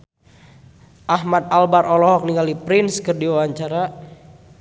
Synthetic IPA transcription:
ʔahmat̪̚albarʔɔlɔɦɔk̚niŋɡalipɾɪnskərdiwawaɲt͡ʃaɾa

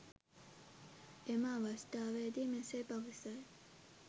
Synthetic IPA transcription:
emaːʋast̪aːʋeːd̪imesepaʋisaj

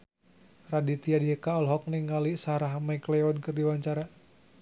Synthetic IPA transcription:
radit̪iadiɦekaɔlɦɔk̚niŋalisaɾaɦmɛklɛɔnkɨrdiwaɲt͡ʃaɾa

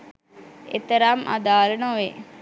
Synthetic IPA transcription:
ḛt̪əɾamʔa̰d̪aːlənoʋe

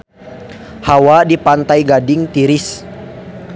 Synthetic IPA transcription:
hawadipant̪ajɡadɪŋt̪iɾɪs

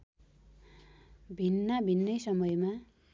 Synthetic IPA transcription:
bʱinːabʱinːʌjsʌmʌjma

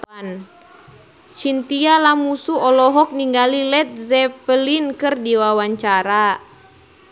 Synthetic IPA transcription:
n | t͡ʃint̪ialamusuɔlɔɦɔk̚niŋɡalilɛt̪̚zɛpəlinkɨrdiwawaɲt͡ʃaɾa

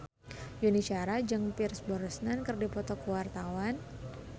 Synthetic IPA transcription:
junit͡ʃaɾad͡ʒɨŋpirsbɔɾsnankərdipɔt̪ɔkuwart̪awan

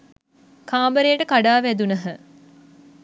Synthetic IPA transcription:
kʰaːmbəɾejəʈəkaɖaːʋæd̪unɐɦə

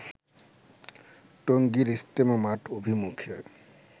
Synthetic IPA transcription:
ʈoŋɡiɾist̪emamaʈʰobʱimukʰio

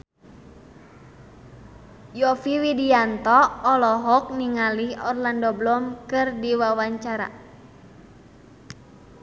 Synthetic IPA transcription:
jɔfiwidiant̪ɔːlɔɦɔk̚niŋaliɔrlandɔblɔmkɨrdiwawaɲt͡ʃaɾa̰

